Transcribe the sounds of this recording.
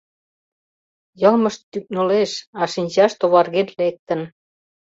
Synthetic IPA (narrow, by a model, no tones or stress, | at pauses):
jɤ̆lməʃt̪ːyk̚noleʃɑʃinʲt͡ɕɑʃt̪oβɑrɣenlek̚t̪ə̆n